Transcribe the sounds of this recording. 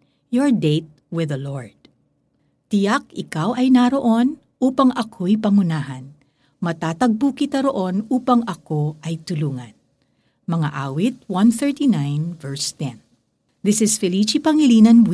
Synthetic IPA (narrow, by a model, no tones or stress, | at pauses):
joɹd̪ejt̪̚wɪðɐloɹd̪̥̚ | t̪ɪjak̚ɪkawʔɐjnaɾo̞ʔo̞n | ʔuːpɐŋʔɐkʰo̞jpɐŋʊnaːɦɐn | mɐt̪aːt̪ɐɡ̚bukɪt̪ɐɾo̞ʔo̞nuːpɐŋɐko̞ʔɐjt̪ʊluːŋɐn | mɐŋa̰ʔaːwit̪̚wɐ̃nθɛɹt̪inãjnvɛɹst̪ɛ̃n | ðɪsɪsfɛlit͡ʃipɐŋɪliːnɐn